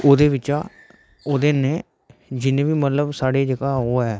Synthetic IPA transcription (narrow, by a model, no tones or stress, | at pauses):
oːd̪eːʋɪt͡ʃaː | oːd̪eːneː | d͡ʒɪnẽːʋiːmət̪ləbsaːɽeːd͡ʒəɡaːɦoːɛː